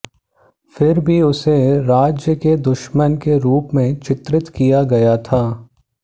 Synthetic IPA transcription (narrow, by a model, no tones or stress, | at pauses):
fɪɾbʱiʊseɾaːd͡ʒjəked̪ʊʃmənkeɾuːpmẽt͡ʃɪt̪ɾɪt̪kijaɡɐjat̪ʰaː